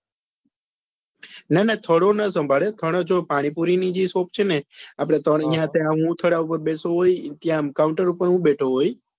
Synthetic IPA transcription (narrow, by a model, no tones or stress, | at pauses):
nanat̪ʰəɽonəsəmbʱaɭet̪ʰəɽ̃od͡ʒopaɽ̃ipuɾinid͡ʒisop̚t͡ʃʰeneapɽ̃et̪ʰəɽijãt̪ʰeãɦũt̪ʰəɽaupəɾbesoɦojt̪jãmkawũɳʈəɾupəɾɦũbeʈʰoɦoj